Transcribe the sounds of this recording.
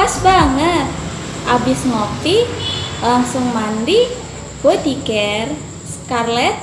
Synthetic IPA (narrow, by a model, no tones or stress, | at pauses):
asbaŋət̪̚ | ʔabɪsŋɔp̚t̪ilaŋsʊŋmand̪i | b̥od̪ikɛr | skarlɛt̪̚